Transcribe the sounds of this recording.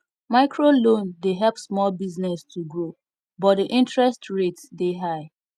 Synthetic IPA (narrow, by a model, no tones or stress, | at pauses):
maɪkʰɹolõndeɦɛlpsmɔlbiznɛstʰuɡɹo | bɔt̚diʔĩntɹɛstɹetsdeɦaɪ